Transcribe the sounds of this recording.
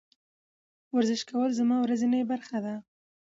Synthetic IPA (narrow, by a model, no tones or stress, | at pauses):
waɾzɪʃkawəlzamɑwɾazinajbaɾxad̪a